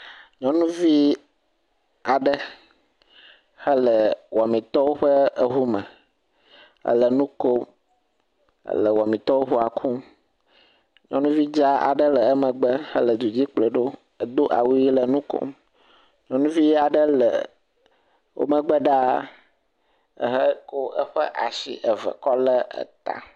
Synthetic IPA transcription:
ɲɔ̃˦nũ˦vi˦ | a˨ɖə˦ | hə˦lə˨wɔ˨mĩ˨t̪ɔ˦wo˦ɸə˦ə˨ɦu˦mə̰̃˨ | ə̰˦lə˨nũ˦ko˦m | ə̰˦lə˨wɔ˨mĩ˨t̪ɔ˦wo˦ɦu˦a˨kʰu˦m | ɲɔ̃˦nũ˦vi˦d͡ʒa˦a̰˨ɖə˦lə˨ə˦mə̃˨ɡ͡bə˦hə̰˦lə˨d̪u˨d͡ʑi˦k͡plə˨ɖo˦ | ə˨d̪o˦ʔa̰˨wu˦ji˦lə˨nũ˦ko̰˦m | ɲɔ̃˦nũ˦vi˦a˨ɖə˦lə̰˨ | wo̰˦mə˨ɡ͡bə˦ɖa˦ | ə̰˨ɦə˦ko˦ə˦ɸə˦ʔa˨sḭ˦ʔə˨və̰˨kɔ˦lə˦ə̰˨t̪a̰˦

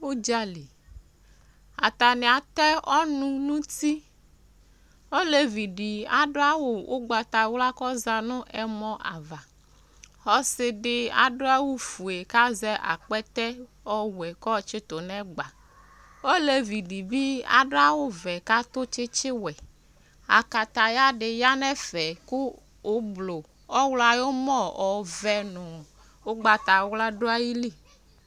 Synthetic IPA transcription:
o˦d͡ʒa˦li˨ | a̰˨t̪a˨nɛ˨a˨t̪ɛ˦ʔɔ˦nũ˦nũ˦t̪i˦ | o˦le˨vi˨ɖi˨a˨ɖo˦a˦wo˨wʔo̰˦ɡ͡ba˨t̪a˨wla˦kɔ˦za˨nʊ̃˦ʔɛ˨mɔ̃˦ʔa̰˨va˨ | xɔ˦sɪ˨ɖɪ˦a̰˨ɖo˦a˦wu˦fu˨e˨ka˦zɛ˦ʔa̰˨k͡pɛ˦t̪ɛ˦ | ɔ˦wɛ˨kɔ˦t͡ʃɪ˦t̪o˨nɛ̃˦ɡ͡ba˨ | o˦le˦vi˨ɖi˨bi˦a̰˨ɖo˦a˦wo˦vɛ˨ka˦t̪o˦t͡ʃɪ˦t͡ʃɪ˦wɛ˨ | a̰˨ka˨t̪a˨ja˦ɖɪ˨ja˦nɛ˦fɛ˨kʊː˦ | blo˨ | ɔ˦wla˨jo˦mɔ̃˦ɔ˨vɛ˨nɔ̃˨ | wo˦ɡ͡ba˨t̪a˨˦wla˦ɖo˦a˦ji˦li˦˨

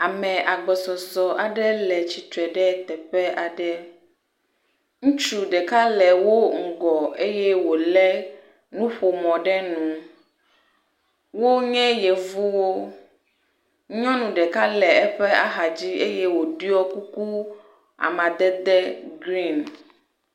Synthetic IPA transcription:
a˨mɛ̃˨ʔa˨ɡ͡bɔ˨sɔ˨sɔ˨ʔa˨ɖɛ˦lɛ˨t͡ɕi˨t̪ɾɛ˨ɖɛ˦t̪ɛ˨ɸɛ˦a˨ɖɛ˦ | ŋũ˦t͡ʃu˨ɖɛ˨ka˦lɛ˨wo˦ŋ̩˨ɡɔ˨e˦jɛ˦wo˨lɛ˦ | nũ˦ɸo˨mɔ̃˨ɖɛ˦nũ˨ | wo˦ɲɛ̃˦jɛ˨vu˦wo˦ | ɲɔ̃˦nũ˨ɖɛ˨ka˦lɛ˨ɛ˦ɸɛ˦a˦ɦa˨d͡ʑi˦e˦je˦wo˨ɖi˦ɔ˦ku˦ku˦ | a̰˨mã˨d̪ɛ˦d̪ɛ˦ɡɾi˦˨n

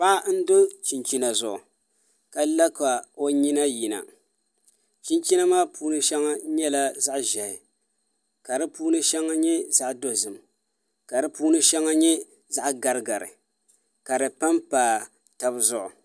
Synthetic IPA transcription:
ba˦n̩˦do˦t͡ʃi˨nt͡ʃi˦na˨zʊ˨ʔʊ̰˨ | ka˨la˦ka˨o˦ɲi˦na˦ji˨na̰˨ | t͡ʃi˦nt͡ʃi˦na˦maː˦puː˦nɨ˦ʃɛ˦ŋa˦ɲɛ˦la˦za˦ʔʒɛ˨hɪ˨ | ka˨dɨ˦puː˦nɨ˦ʃɛ˦ŋːa˦ɲɛ˦za˦ʔdo˨zɨ˨m | ka˨dɨ˦puː˦nɨ˦ʃɛ˦ŋːa˦ɲɛ˦ | za˦ʔɡa˨ɾɨ˦ɡa˨ɾɨ̰˨ | ka˨dɨ˨pa˦mpaː˨ | ta˨bɨ˦zʊ˦ʔʊ̰˨

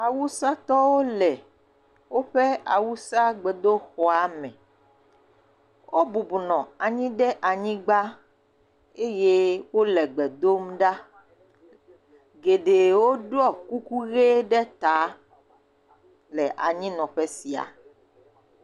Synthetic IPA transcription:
a˨wu˦sa˦t̪ɔ˦wo˦lɛ˨ | wo˦ɸɛ˦a˨wu˦sa˦ɡ͡bɛ˨d̪o˦xɔ˨a˨mɛ̰̃˨ | wʔo˦bu˨bu˨nɔ̃˨a˨ɲĩ˦ɖɛ˦ʔa˨ɲĩ˦ɡ͡ba˦ | e˦je˦wo˦lɛ˨ɡ͡bɛ˨d̪o˦mɖa˦ | ɡe˨ɖe˨wo˦ɖɔ˦˨ku˦ku˦ɣe˦ɖɛ˦t̪a˨˦ | lɛ˨ʔa̰˨ɲĩ˦nɔ̃˨ɸɛ˦si˨a̰˨

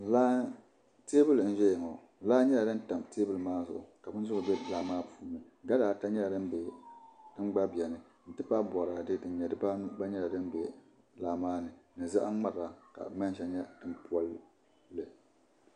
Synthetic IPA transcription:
laː˦ | te˦bɨ˦ln̩˦ʒɛ˦jɪ˨ŋo˨laː˦ɲɛ˦la˨dɨ˦n˦ta˨mteː˦bɨ˦lɨ˨maː˦zʊ˨ʔʊ˨ka˨bɨ˦n̩˦zʊ˦ɡɨ˨bɛ˦laː˨maː˦pʰuː˦nɨ˨ | ɡa˦daː˨ta˦ɲɛ˦la˨dɨ˦m˦be˨dɨ˦ŋ͡mɡ͡ba˦bi˨ɛ˨nɨ˨ | n̩˨tɨ˦pa˦bɔ˨ɾaː˨dɨ˦dɨ˨n˨ɲɛ˨dɨ˦pa˦n˦ba˦ɲɛ˦la˨dɨ˦m˦bɛ˨ | laː˨maː˦nɨ˨nɨ˨za̰˦ʔa˦ŋ͡ma˨ɾa˨ka̰˨˦ma˦n˦ʃa˨ɲɛ˦d̥ɨ˦m˨pu˦a˦l | lɨ˨

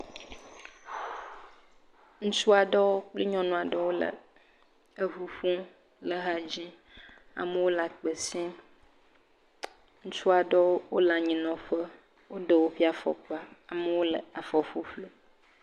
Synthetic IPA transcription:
ŋũ˦t͡ʃu˦a˨ɖɔ˦wo˦k͡pli˦ɲɔ̃˦nũ˦a˨ɖə˦wo˦lə̰˨ | ə˦ɦu˦ɸũ˦ | lə˦ɦa˦d͡ʑĩ˦ | a̰˨mə˦wo˦la˨k͡pə˨sĩ˦ | ŋũ˦t͡ʃu˦a˨ɖɔ˦wo˦wo˦la˨ɲĩ˨nɔ̃˨ɸə˦ | wo˦ɖə˨wo˦ɸi˦a˨fɔ̰˨k͡pa˦a˨mə˦wo˦lə̰˨a˨fɔ˨ɸu˦ɸlu˦

